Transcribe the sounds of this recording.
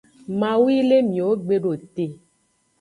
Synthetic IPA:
mã˨wi˦le˦mĩ˨o˦ɡ͡be˨ɖo˨t̪e˨

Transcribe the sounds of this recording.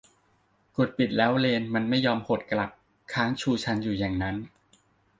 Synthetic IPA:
ko˨˩t̪̚pi˨˩t̪̚lɛː˦˥wleː˧nma˧nma˥˩jːɔː˧mho˨˩t̪̚kla˨˩p̚ | kʰaː˦˥ŋt͡ɕʰuː˧t͡ɕʰa˧˥njuː˨˩ja˨˩ŋna˦˥n

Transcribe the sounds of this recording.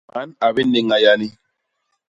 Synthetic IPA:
ma˨˦na˨bi˦ne˨ŋa˨ja˨ni˦

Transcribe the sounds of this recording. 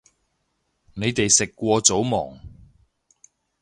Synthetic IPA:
ne˨˧jt̪e˨jsɪ˨kːʷɔː˧t͡so˨˥wmɔː˨˩ŋ

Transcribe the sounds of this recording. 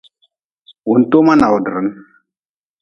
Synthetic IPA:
u˨n˨to˦ma˦na˨wdə˨ɾə˨˦n

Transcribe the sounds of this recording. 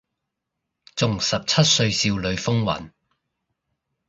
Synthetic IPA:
t͡sʊ˨ŋsɐ˨p̚t͡sʰɐ˥t̚sɵ˧ɥsiː˧wlɵ˨˧ɥfʊ˥ŋwɐ̰˨˩n

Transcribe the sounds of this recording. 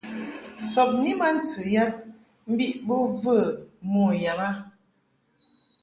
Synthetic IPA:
sɔ˨p̚ni˦ma˦n̩˦t͡sə˨ja˦p̚ | m̩˦bi˦ʔbo˦və˦˨mɔ˦˨ja˨ba˦

